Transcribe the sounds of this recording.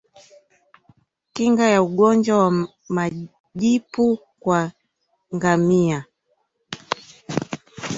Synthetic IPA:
kiŋɡajauɡɔnd͡ʒwawa | ma | ʄipu | kwa | ŋɡamia

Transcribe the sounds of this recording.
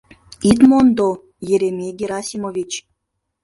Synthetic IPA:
it̪mond̪o | jeɾʲemʲeɡʲeɾɑsʲimovʲit͡ɕ

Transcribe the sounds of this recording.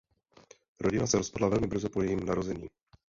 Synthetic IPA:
ɾo̞ɟɪnasɛɾo̞spadlavɛlmɪbr̩zopojɛjiːmunaɾo̞zɛɲḭː

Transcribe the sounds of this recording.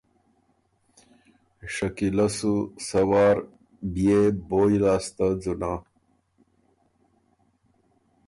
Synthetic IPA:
ʂɐkilɐsusɐwaːɾ | bijeboːjlaːst̪ad͡zuna

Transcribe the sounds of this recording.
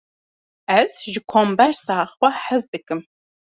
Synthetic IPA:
ɐzʒɪkʷʰɔmbɐrsaːχwʷɐħɐzdɨkʼɨm

